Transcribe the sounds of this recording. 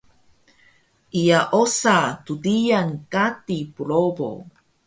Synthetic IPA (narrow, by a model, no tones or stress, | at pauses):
ʔijaʔosatudijankatipuɭobo̰